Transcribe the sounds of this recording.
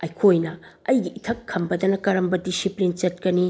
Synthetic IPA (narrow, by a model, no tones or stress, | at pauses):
ɐjkʰojnɐɐjɡiʔitʰɐkʰːɐmbɐdɐnɐkɐɾɐmbɐdisiplint͡ʃɐt̚kɐni